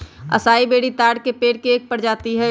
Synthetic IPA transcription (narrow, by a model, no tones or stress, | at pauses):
ɐ̰saːibeːɽit̪aːɽkepeːʈ̚keeːk̚pəɽd͡ʒaːt̪iɦɛː